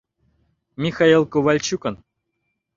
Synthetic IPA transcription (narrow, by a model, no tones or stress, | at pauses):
mʲixailˠkuvalʲt͡ɕukən